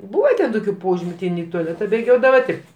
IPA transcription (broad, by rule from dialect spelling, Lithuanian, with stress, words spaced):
ˈbuːʋɐ tʲɛn ˈtoːkʲʊ ˈpoːʒʲɪmʲʊ tʲɪ ˈɪn ɪ tʊɐˈlʲæːtɐ bʲeːˈɡʲoːdɐʋɐ ˈtʲɪ